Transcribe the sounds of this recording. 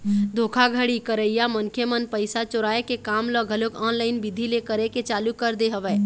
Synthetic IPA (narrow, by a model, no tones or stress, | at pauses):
d̪ʱoːkʰaɡʱəɽikəɾəɪjamənkʰemənpəɪsat͡ʃoɾaːekekaːmləɡʱəlokãːnlaːɪnbɪd̪ʱilekəɾeket͡ʃaːlukəɾd̪eɦəʋɛː